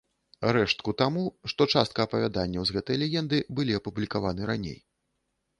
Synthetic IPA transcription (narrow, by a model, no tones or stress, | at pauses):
ɾɛʂt̪̚kut̪amuʂt̪ɔt͡ʂast̪̚kɐɐpɐvʲad̪anʲːɐwzɣɛt̪ɐjɐlʲɛjʲɛnd̪ɨbɨlʲiɐpublʲikavanɨɾanʲḛj